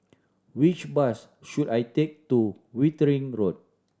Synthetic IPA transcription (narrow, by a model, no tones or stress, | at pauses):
wit͡ʃbas | ʃudajtek̚tu | witəɹĩŋɹot̚